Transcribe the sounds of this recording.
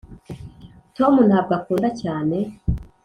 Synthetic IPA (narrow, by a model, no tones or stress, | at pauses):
to̞munhaːb̚ɡakuːndacaːne̞